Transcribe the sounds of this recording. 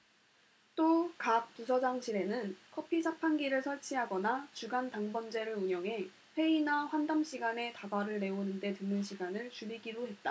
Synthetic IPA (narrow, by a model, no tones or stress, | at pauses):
t͈okak̚t͈usʰʌd͡ʑaŋɕʰiɾe̞nɯnkʰʌpʰit͡ɕʰapʰanɡiɾɯɭsʰʌɭt͡ɕʰiɦaɡʌnat͡ɕuɡantaŋbʌnd͡ʑe̞ɾɯɾuɲjʌŋɦe̞ | ɸwe̞inaɸwandamɕ͈ʰiɡane̞taɡaɾɯɭne̞onɯnde̞tɯnːɯnɕʰiɡanɯɭt͡ɕuɾiɡiɾoɦe̞t̚t͈a